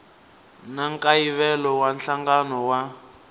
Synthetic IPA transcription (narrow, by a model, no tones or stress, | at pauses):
naŋkʼaiβɛlɔwanɬaŋɡanɔwa